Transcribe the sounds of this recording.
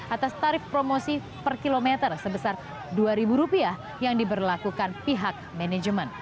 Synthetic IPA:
ʔat̪ast̪aɾɪfpɾomosi | pərkilomet̪ərsəbəsar | duaɾibuɾupiah | jaŋdibərlakukanpiɦak̚mɛnɛd͡ʒəmən

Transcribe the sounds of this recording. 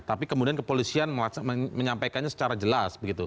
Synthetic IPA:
t̪apikəmudiankəpolisianməlasməməɲampajkanɲasə̥t͡ʃaɾad͡ʒəlasbəɡit̪u

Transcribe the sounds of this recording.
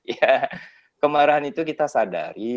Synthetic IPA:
ja | kəmaɾaɦanit̪ukit̪asada̰ɾi

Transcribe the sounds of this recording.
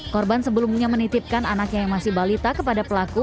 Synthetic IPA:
kɔrbansəbəlumɲamənit̪ɪp̚kananakɲajaŋmasɪhbalit̪akəpadapəlaku

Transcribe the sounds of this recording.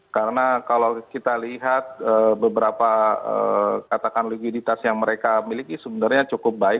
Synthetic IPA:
kaɾənakalawkit̪aliɦat̪̚əːbəbəɾapaə̰kat̪akanluɡidit̪asjaŋməɾekamilikisəbənarɲat͡ʃukʊp̚baɪ

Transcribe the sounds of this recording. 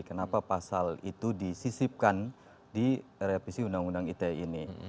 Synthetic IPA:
kənapapasalit̪udisisip̚kan | diɾepisiundaŋundaŋit̪eini

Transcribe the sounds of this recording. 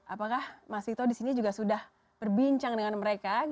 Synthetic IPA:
ʔapakahmasit̪odisinid͡ʒuɡasudah | b̥ərbiɲt͡ʃaŋdəŋanməɾeka

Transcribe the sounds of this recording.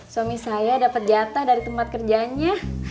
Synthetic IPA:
swamisajadapət̪̚d͡ʒat̪ahdaɾit̪əmpat̪̚kərd͡ʒaɲa

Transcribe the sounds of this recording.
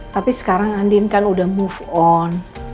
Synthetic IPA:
t̪apisə̥kaɾaŋandɪnkanudahmufɔn

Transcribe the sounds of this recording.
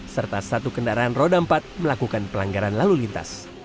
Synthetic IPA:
sərt̪asat̪ukəndaɾaːnrodampat̪̚məlakukanpəlaŋɡaɾanlalulint̪a̰s

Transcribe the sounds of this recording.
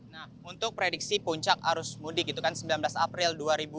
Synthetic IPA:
nahunt̪ʊk̚pɾediksipuɲt͡ʃakaɾʊsmudɪk̚it̪ukansəmbilanblasapɾɪlduaɾibu

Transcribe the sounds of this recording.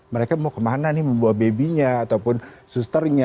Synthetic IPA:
məɾekamaukəmananɪməmbuat̪̚bebiɲaːt̪awpʊnsust̪ərɲa

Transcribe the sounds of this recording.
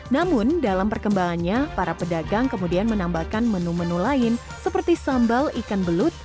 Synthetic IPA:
namʊndalampərkəmbaŋanɲapaɾapədaɡaŋkəmudianmənambakanmənumənulaɪn | səpərt̪isambalikanbəlʊt̪̚

